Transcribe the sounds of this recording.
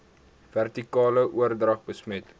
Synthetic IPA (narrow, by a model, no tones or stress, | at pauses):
værtikɑːləʔuərdrɐχbəsmət